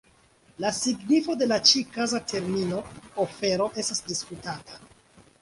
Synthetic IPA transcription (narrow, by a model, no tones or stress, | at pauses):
lasiɡnifo̞de̞lat͡ʃikazatʰe̞ɾmino̞ofe̞ɾo̞ʔe̞stasdiskutatḁ